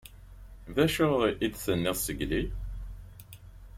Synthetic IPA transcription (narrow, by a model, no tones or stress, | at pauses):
ðæʃʊðiʔid̪θənːɪʁsəɡli